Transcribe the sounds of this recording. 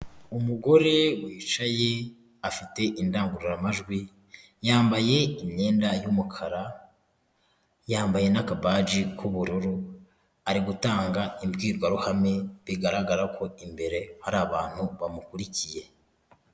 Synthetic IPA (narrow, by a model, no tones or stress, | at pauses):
umuɡo̞ɾe̞wiːt͡ʃaje̞ | afite̞ʔindaːŋɡuɾiɾamaʒɡwi | jaːmbaje̞imɲe̞ːndajumukʰaɾa | jaːmbaje̞nakabaːd͡ʒikʰuβuɾuɾu | aɾiɡutaːŋɡaimbɡiːɾɡwaɾuhame̞βiɡaɾaɡaɾakʰo̞imbe̞ɾe̞haɾaːβaːn̥huβamukuɾicije̞